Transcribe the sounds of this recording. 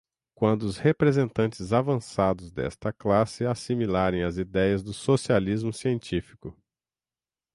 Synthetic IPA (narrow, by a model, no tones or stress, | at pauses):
kwɐ̃nd̪ʊʊshepɾezẽnt̪ɐ̃nt͡ʃɪzavɐ̃sad̪ʊzd̪ɛ̰st̪ɐklasɪasimilaɾẽj̃ɐzid̪ɛjɐzd̪ʊsosializmʊsiẽnt͡ʃifi̥kʊ